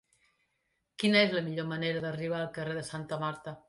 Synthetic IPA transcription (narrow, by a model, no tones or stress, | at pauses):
kinəezləmiʎoməneɾəðəriβ̞aːlˠkəreðəsant̪əmaɾt̪ə